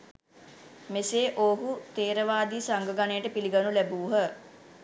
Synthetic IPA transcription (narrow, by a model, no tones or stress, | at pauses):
meseːʔoːɦut̪eːɾəʋaːd̪iːsaŋɡəɡaneːʈəpiliɡanulæbuːɦə